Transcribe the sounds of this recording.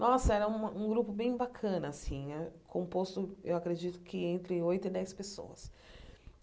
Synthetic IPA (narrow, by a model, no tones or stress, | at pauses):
nɔsɐɛɾɐũmɐũɡɾupʊbẽj̃bakʰɐ̃nɐasĩɛkʰõpost̪ʊewakɾed͡ʒit̪ʊ̥kɪẽnt̪ɾɪojt̪ʊid̪ɛjspeso̰ɐ̰s